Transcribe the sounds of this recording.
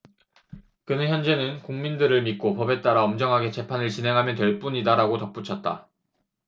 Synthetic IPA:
kɯnɯnçjʌnd͡ʑe̞nɯnkuŋmindɯɾɯɭmit̚k͈opʌbe̞t͈aɾaʌmd͡ʑʌŋɦaɡe̞t͡ɕe̞pʰanɯɭt͡ɕinɦe̞ŋɦamjʌntwe̞ɭp͈uɲidaɾaɡotʌp̚p͈ut͡ɕʰʌt̚t͈a̰

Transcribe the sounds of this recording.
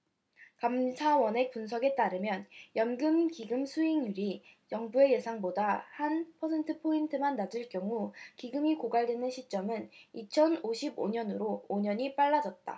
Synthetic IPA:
kamsʰawʌne̞punsʰʌɡe̞t͈aɾɯmjʌnjʌnɡɯmkiɡɯmsʰuiŋjuɾijʌŋbue̞je̞sʰaŋbodahanpʰʌsʰe̞ntʰɯpʰointʰɯmanːad͡ʑɯɭkjʌŋukiɡɯmikoɡaɭdwenɯnɕʰit͡ɕ͈ʌmɯnit͡ɕʰʌnoɕʰibo̰ɲʌnɯɾoːɲʌɲip͈aɭːad͡ʑʌt̚t͈a̰

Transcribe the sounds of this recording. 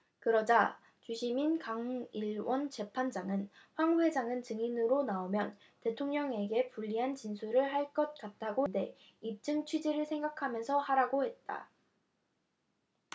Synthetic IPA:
kɯɾʌd͡ʑa | t͡ɕuɕʰiminkaŋiɭwʌnt͡ɕe̞pʰand͡ʑaŋɯnɸwaŋwe̞d͡ʑaŋɯnt͡ɕɯŋinɯɾonaomjʌn | te̞tʰoŋɲʌŋe̞ɡe̞puʎːiɦant͡ɕinsʰuɾɯɭɦaɭk͈ʌt̚k͈at̚t͈aɡonde̞ | ip̚t͡ɕ͈ɯŋt͡ɕʰwid͡ʑiɾɯɭsʰe̞ŋɡakʰamjʌnsʰʌhaɾaɡohe̞t̚t͈a̰

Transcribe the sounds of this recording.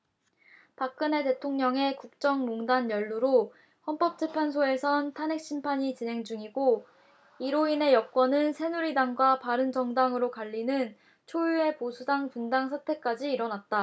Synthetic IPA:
pak̚k͈ɯne̞te̞tʰoŋɲʌŋe̞kuk̚t͡ɕ͈ʌŋmoŋdanjʌɭːuɾo | hʌnp͈ʌp̚t͡ɕ͈epʰansʰoe̞sʰʌntʰane̞k̚ɕ͈ʰimpʰaɲit͡ɕinɦe̞ŋd͡ʑuŋiɡo | iɾoine̞jʌk̚k͈wʌnɯnsʰe̞nuɾidaŋɡwapaɾɯnd͡ʑʌŋdaŋɯɾokaʎːinɯn | t͡ɕʰojue̞posʰudaŋpundaŋsʰatʰe̞k͈ad͡ʑiːɾʌnat̚t͈a

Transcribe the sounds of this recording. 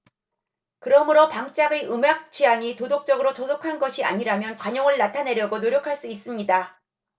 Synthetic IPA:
kɯɾʌmɯɾopaŋt͡ɕ͈aɡeʔɯmak̚t͡ɕiaŋitodok̚t͡ɕ͈ʌɡɯɾot͡ɕosokʰanɡʌɕʰia̰ɲiɾamjʌnkwaɲʌŋɯɭnatʰane̞ɾjʌɡonoɾjʌkʰaɭs͈uis͈ɯmɲida

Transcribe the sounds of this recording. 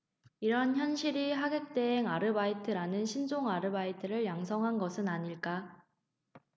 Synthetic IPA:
iɾʌnçjʌnɕʰiɾiɦaɡek̚t͈eːŋaɾɯbaitʰɯɾanɯnɕʰind͡ʑoŋaɾɯbaitʰɯɾɯɭjaŋsʰʌŋɦanɡʌsʰɯnaɲiɭk͈a

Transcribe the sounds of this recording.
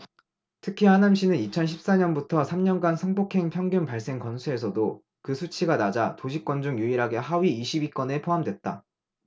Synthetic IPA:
tʰɯkʰihanamɕ͈inɯnit͡ɕʰʌnɕʰip̚s͈aɲʌnbutʰʌsʰamɲʌnɡansʰʌŋbokʰe̞ŋpʰjʌŋɡjunpaɭs͈e̞ŋkʌnsʰue̞s̬ʰʌdo | kɯsʰut͡ɕʰiɡanad͡ʑatoɕʰik͈wʌnd͡ʑuŋjuiɾɦaɡe̞ɦaɥiiɕʰibik͈ʌne̞pʰoɦamdwet̚t͈a

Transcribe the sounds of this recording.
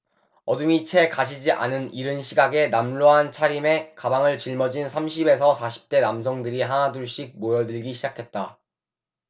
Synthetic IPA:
ʌduŋit͡ɕʰe̞kaɕ̬ʰid͡ʑiʔa̰nɯniɾɯnɕʰiɡaɡe̞namloɦant͡ɕʰaɾime̞kabaŋɯɭt͡ɕiɭmʌd͡ʑinsʰamɕʰibe̞sʰʌsʰaɕʰi̥p̚t͈e̞nams̬ʰʌŋdɯɾiɦanaduɭɕ͈ik̚mojʌdɯɭɡiɕʰid͡ʑakʰe̞t̚t͈a

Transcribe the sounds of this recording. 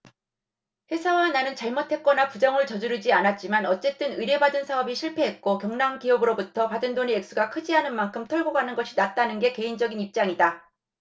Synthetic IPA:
ɸe̞sʰawananɯnt͡ɕaɭmotʰe̞k̚k͈ʌnapud͡ʑʌŋɯɭt͡ɕʌd͡ʑuɾɯd͡ʑianat̚t͡ɕ͈imanʌt͡ɕ͈e̞t͈ɯnɯɾe̞badɯnsʰaʌbiɕʰiɭpʰe̞ɦet̚k͈okjʌŋnaŋkiʌbɯɾobutʰʌpadɯndoneek̚s͈uɡakʰɯd͡ʑiɦanɯnmankʰɯmtʰʌɭɡoɡanɯnɡʌɕʰinat̚t͈anɯnɡe̞ke̞ind͡ʑʌɡinip̚t͡ɕ͈aŋida

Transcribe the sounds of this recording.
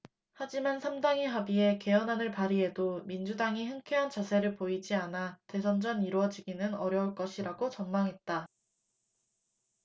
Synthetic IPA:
had͡ʑimansʰamdaŋiɦabie̞ke̞ʌnɦanɯɭpaɾie̞domind͡ʑudaŋiɦɯŋkʰeɦant͡ɕasʰe̞ɾɯɭpoid͡ʑianate̞sʰʌnd͡ʑʌniɾoʌd͡ʑiɡinɯnʌɾjʌuɭk͈ʌɕʰiɾaɡot͡ɕʌnmaŋɦe̞t̚t͈a

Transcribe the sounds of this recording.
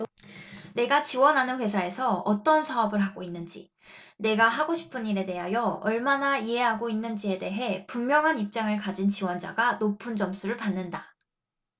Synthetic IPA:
ne̞ɡat͡ɕiwʌnɦanɯnɸwe̞sʰae̞sʰʌʌt͈ʌnsʰaʌbɯɭɦaɡoinːɯnd͡ʑḭ | ne̞ɡaɦaɡoɕʰi̥pʰɯniɾe̞de̞ɦajʌʌɭmanaiɦe̞ɦaɡoinːɯnd͡ʑie̞de̞ɦe̞pummjʌŋɦanip̚t͡ɕ͈aŋɯɭkad͡ʑint͡ɕiwʌnd͡ʑa̰ɡanopʰɯnd͡ʑʌms͈ʰuɾɯɭpanːɯnda

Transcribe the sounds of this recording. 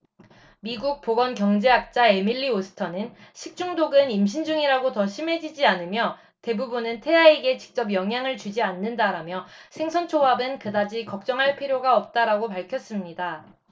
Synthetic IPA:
miɡuk̚p͈oɡʌnkjʌŋd͡ʑe̞ɦak̚t͡ɕ͈ae̞miɭːiosʰɯ̥tʰʌnɯnɕʰik̚t͡ɕ͈uŋdoɡɯnimɕʰind͡ʑuŋiɾaɡotʌɕʰime̞d͡ʑid͡ʑianɯmjʌ | te̞bubunɯntʰe̞aiɡe̞t͡ɕi̥k̚t͡ɕ͈ʌp̬jʌŋɦjaŋɯɭt͡ɕud͡ʑianːɯndaɾamjʌsʰe̞ŋsʰʌnt͡ɕʰoabɯnkɯdad͡ʑikʌk̚t͡ɕ͈ʌŋɦaɭpʰiɾjoɡaʌp̚t͈aɾaɡopaɭkʰjʌs͈ɯmɲida

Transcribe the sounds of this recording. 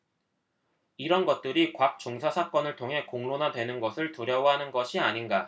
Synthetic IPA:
iɾʌnɡʌt̚t͈ɯɾikwak̚t͡ɕ͈oŋsʰasʰak͈ʌnɯɭtʰoŋɦe̞koŋnonadwe̞nɯnɡʌsʰɯɭtuɾjʌwʌɦanɯnɡʌɕʰiaɲinɡa

